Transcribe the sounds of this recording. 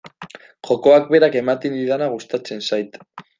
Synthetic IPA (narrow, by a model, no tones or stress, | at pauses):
ʝo̞ko̞ak̚be̞ɾake̞mat̪ind̪iðanaɣ̞ust̪at͡se̞nsajt̪